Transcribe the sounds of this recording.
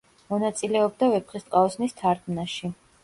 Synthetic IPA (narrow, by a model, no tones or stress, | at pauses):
mɔnat̪sʼilɛɔb̚d̪avɛpχist̪ʼqʼaɔsnist̪ʰaɾɡmnaʃi